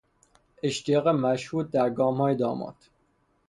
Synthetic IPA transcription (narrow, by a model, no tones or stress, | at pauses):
eʃt̪ijɒːɣemæʃhuːt̪̚d̪æɾɡɒːmhɒːjed̪ɒ̰ːmɒ̰t̪ʰ